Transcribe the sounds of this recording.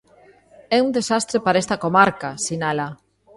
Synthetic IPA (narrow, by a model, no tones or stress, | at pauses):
ɛund̪esast̪ɾepaɾaest̪ɐkomaɾkasinala